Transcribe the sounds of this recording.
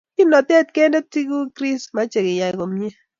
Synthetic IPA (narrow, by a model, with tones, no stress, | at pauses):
kɪ˦nɔ˨t̪ɛ˦t̚kɛ˦ndo˦ti˦ɡu˦kɾi˦sma˦t͡ʃe˨kɪ˨ja˨ɪ˨ko˨mi˦e˦